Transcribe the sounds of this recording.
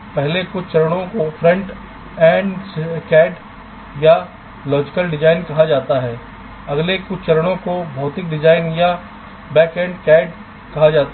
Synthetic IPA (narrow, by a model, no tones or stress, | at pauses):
pɛɦlekʊt͡ʃʰt͡ʃɐɾəɽ̃õkofʰɾɐ̃ɳʈ | ɛ̃ːɖkɛːɖ | ja | lɔːd͡ʒɪkəlɖɪd͡ʒaːɪnkɐɦad͡ʒaːt̪aɦɛː | ɐɡlekʊt͡ʃʰt͡ʃɐɾəɽ̃õkobʱɔːt̪ɪk̚ɖɪd͡ʒaːɪnja | bɛːkɛ̃ːɳɖkɛːɖ | kɐɦad͡ʒaːt̪a